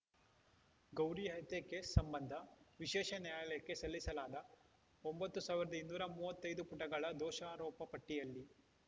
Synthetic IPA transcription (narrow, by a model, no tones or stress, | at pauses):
ɡɐwɾijɦɐjt̪ekesːɐmbɐnd̪ʱɐʋiʃɛːʃɐnjaːjɐlɛjɐkːe̞sɐlːisɐlaːd̪ɐ | ombɐt̪ːusaːʋiɾɐd̪ɐinːuːɾɐmuːʋɐt̪ːɐjd̪upuʈɐɡɐɭɐd̪ɔːʃaːɾɔːpɐpɐʈːijɐlːi